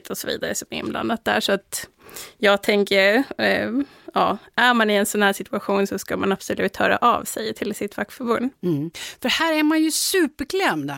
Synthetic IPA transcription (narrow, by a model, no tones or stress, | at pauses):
t̪ʰɔsɔvḭːd̪aɾəsɔmɪ̰nbla̰nːat̪̚d̪æ̰ːʂɔat̪ | jɑːɡt̪ʰɛŋkəɾ | jɑ̰ːæɾmanɪɛnsɔnhæːʂɪt̪ɵaɧuːnsɔskamanapsɔlʉːt̪ʰːɑ̰ːd̪ɛ̰ʔa̰vsɛjt̪ʰɪlsɪt̪faktfœɾbɵnd̪fœhæːɾæɾmanjɵsʉːpəkʰlɛmd̪